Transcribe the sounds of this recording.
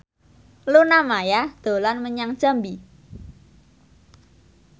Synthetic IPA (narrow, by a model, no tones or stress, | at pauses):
lunamajad̪̥o̤lanməɲaŋ̥ʒ̥a̤mbi